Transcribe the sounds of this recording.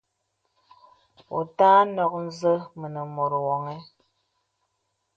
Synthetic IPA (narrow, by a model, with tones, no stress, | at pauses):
o̰˨taː˦nɔ˨k̚n̩˦zə˦mə˨nə˨mo˨ɾwɔ˨ŋɛ˦